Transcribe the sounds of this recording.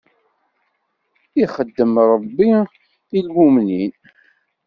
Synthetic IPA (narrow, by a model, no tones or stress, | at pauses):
iχəd̪ːəmɾˤəbːi | ilwumnin